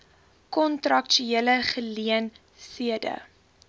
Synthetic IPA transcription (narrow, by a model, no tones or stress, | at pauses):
kɔntrɐkʃyeələχəliən | siədə̰